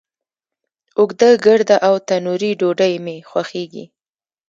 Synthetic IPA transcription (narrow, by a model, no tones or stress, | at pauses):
ʊɡd̪əɡəɾd̪aʔawt̪anuɾiɖoɖəjmexwaxeɡḭ